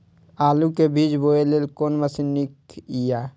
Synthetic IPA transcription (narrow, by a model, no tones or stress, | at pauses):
aːlukebʱiːd͡ʒboːeleːlkoːnməsinikijaː